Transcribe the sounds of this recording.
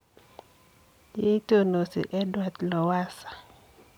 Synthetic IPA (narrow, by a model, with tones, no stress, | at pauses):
d͡ʒe˦to˦no˨sḭ˨ʔɛ˦dwa˨t̪lɔ˨wa˦sḁ˨